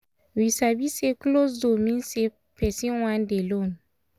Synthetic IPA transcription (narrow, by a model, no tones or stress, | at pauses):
wisabiseklosdomĩnse | pɛsiw̃ãndelon